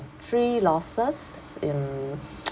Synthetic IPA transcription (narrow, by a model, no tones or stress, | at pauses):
tʰɹilɔsəs | ɪ̃n